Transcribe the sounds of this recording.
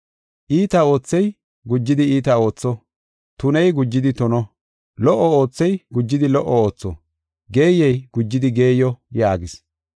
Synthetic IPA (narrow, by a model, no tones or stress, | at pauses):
ʔiːt̪ɐo̞ːt͡sːɛj | ɡʊd͡ʒːɪd̪ɪiːt̪ɐo̞ːt͡sːɔ | t̪ʊnɛjɡʊd͡ʒːɪd̪ɪt̪ɔnɔ | lɔʔːɔo̞ːt͡sːɛjɡʊd͡ʒːɪd̪ɪlɔʔːɔo̞ːt͡sːɔ̰ | ɡe̞ːjːɛjɡ̥ʊd͡ʒːɪd̪ɪɡe̞ːjɔjaːɡɪs